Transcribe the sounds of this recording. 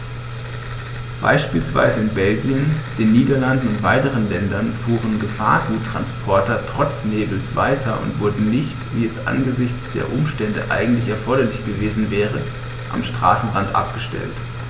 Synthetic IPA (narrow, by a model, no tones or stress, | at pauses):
b̥a̰ɪʃpiːlsv̥a̰ɪzəɪnbɛlɡiənd̥eːnːiːdɐlandn̩ʊntv̥aɪtəʁənlɛndɐnfuːʁ̞ənɡəfa̰ːɐɡuːtːʁ̥a̰nspʰɔɐtɐtʁ̥ɔt͡sneːbl̩sv̥a̰ɪtʰɐʊ̰ntv̥ʊɐdn̩nɪçtviːɛsʔa̰nɡəzɪçt͡sd̥ḛːɐʔʊmʃtɛndə̰ʔa̰ɪɡŋ̩tlɪçɛɐfɔɐɾɐlɪçɡ̥əveːzn̩vɛːʁə | ʔa̰mʃtʁ̥a̰ːsn̩ʁantʔa̰p̚ɡ̥əʃtɛ̰lt